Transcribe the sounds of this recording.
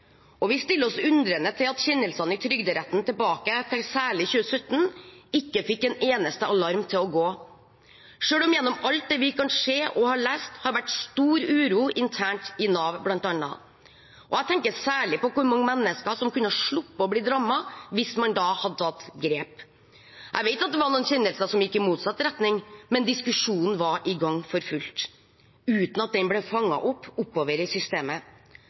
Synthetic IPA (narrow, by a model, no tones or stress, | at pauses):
ɔʋɪst̪ɪlːəɔsʉnd̪ɾənət̪ʰɪlɑt̪çɛnːəlsɑnəɪt̪ʰɾʏɡd̪əɾɛt̪ːnt̪ʰɛbɑːkət̪ʰɛŋsæːɭɪçʉːəsœt̪ːn̩ɪkːəfɪkːɛneːnəst̪əɑlɑɾmt̪ʰɪlɔɡoː | ʂøːlɔmjɛnːɔmɑlt̪̚d̪ɛːʋɪkʰɑnʂeːʔɔhɑɭæːst̪hɑɾʋæʈst̪uːɾʉːɾuːʔɪnt̪ʰæːɳʈɪnɑːʋblɑnt̪ɑnɑ̰ | ʔɔæɪt̪ʰɛŋkəsæːɭɪpɔkʰʊɾmɑŋːmɛnːəskɑʂɔmkʰʉnːəhɑʂɭʊpːɑɔblɪd̪ɾɑmːɑʋɪsmɑnd̪ɑhɑd̪ət̪ʰɑt̪ːɡɾeːp | ʔæɪʋeɪt̪ɑt̪̚d̪ɛʋɑɾnuːnçɛnd̪əlsəʂɔmjɪkːɪmuːt̪sɑt̪ːɾɛt̪nɪŋmɛnd̪ɪskʉʂuːnn̩ʋɑɾʔɪɡɑŋːfɔɾfʉlt̪ | ʉːt̪n̩ɑt̪̚d̪ɛnblɛfɑŋːɑ̰ʔɔpːʊpːoːʋəɾəsʏst̪eːmə